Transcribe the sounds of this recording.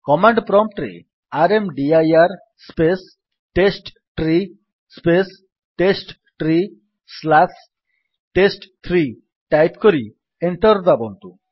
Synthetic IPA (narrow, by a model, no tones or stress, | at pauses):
kɔmaɳɖpɾɔmʈɾḛ | aɾemɖiajaɾ | spes | ʈesʈ | ʈɾi | spes | ʈesʈ | ʈɾi | slas | ʈesʈt̪ʰɾi | ʈajpkɔɾi | eɳʈɔɾd̪abɔnt̪u